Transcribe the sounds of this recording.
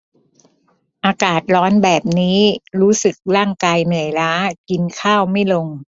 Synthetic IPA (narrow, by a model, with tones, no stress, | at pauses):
ʔaː˧kaː˨˩t̪̚ɾɔː˦˥nbɛː˨˩p̚niː˦˥ɾuː˦˥sɯ˨˩k̚ɾaː˥˩ŋkaː˧jnɯ˨˩əjlaː˦˥ki˧nkʰaː˥˩wma˥˩jlo˧ŋ